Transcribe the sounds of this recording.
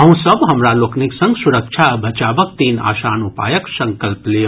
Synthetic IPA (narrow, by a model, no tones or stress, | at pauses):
ɐɦũsəbɦɐmɾaloːkniksɐŋɡsuɾək̚t͡ʃʰabʱɐt͡ʃaːbək̚t̪iːna̰ːsaːnupa̰ːjəksɐŋkəlpleo